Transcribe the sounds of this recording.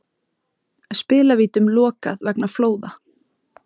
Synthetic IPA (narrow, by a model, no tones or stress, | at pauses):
ɛðspɪːlaviːt̪ʏmlɔːka̰ðvɛknafloːwða